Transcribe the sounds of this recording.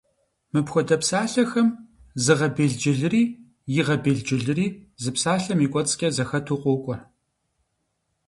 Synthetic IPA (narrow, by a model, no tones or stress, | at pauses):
mɨpxʷɔdɐpsaːɬɐxɐmzɨʁɐbeːɮd͡ʒɪɮɨriː | jɪʁɐbeːɮd͡ʒɪɮɨriːzɨpsaːɬɐmikʷʼɔt͡sʼkʲʼɐzɐxɐtʰuːqʷoːkʷʼɔ